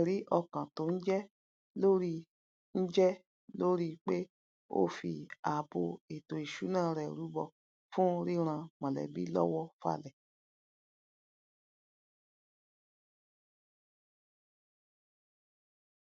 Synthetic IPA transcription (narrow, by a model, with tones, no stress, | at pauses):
ɾi˦ʔɔ˧kã˨to˨˦n̩˦d͡ʒɛ˦ | lo˦ɾi˧ | n̩˦d͡ʒɛ˦ | lo˦ɾi˦k͡pe˦ | o̰˧fi˧˨a˨bo˧e˨to˨i˨ʃu˨˦nãː˦˨ɾɛ˨ɾu˨˦bɔ˦˨ | fũ˦ɾi˦ɾ̃ã˧mã˨lɛ̰˨bḭ˦lɔ̰˦wɔ˦fa̰˧˨lɛ˨